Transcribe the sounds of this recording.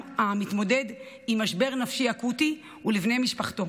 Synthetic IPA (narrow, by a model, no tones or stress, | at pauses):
amitmo̞de̞d | imaʃbe̞ʁnafʃiakuti | ulivnejmiʃpaχto̞